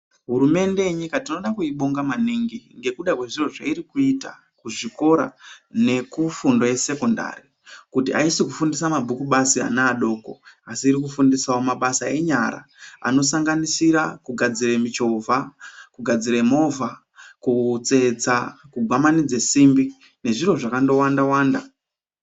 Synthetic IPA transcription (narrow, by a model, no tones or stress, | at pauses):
ɦuɾume̞nde̞jeɲikatino̞ɗakuiɓo̞ŋɡamaniŋɡiŋɡe̞kuɗakwe̞ʐiro̞ʐaiɾikuita̰ | kuʐiko̞ɾa̰ne̞kufundo̞je̞se̞ko̞nda̰ri | kutia̰isikufundis̬amabʱukuɓasia̰naːɗo̞ːko̞̰asiːɾikufundisawomaɓasae̞ɲaɾa̰a̰no̞saŋɡanisiɾakuɡʱad͡ziremit͡ʃo̞vʱakuɡʱad͡ziɾemo̞vʱa | kut͡se̞d͡zakuɡʱamanid͡zesimbi | ne̞ʐiro̞ʐakando̞wandawaːnda